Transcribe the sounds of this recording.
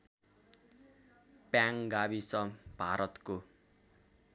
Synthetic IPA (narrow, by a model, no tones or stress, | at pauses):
pjaŋɡabisʌb̥ʱaɾʔʌt̪ko